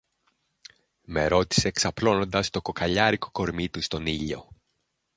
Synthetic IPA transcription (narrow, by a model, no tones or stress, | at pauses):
me̞ɾo̞t̪i̥se̞ːksɐplo̞no̞nd̪ɐst̪o̞ko̞kɐʎɐɾiko̞ko̞ɾmit̪ust̪o̞niʎo̞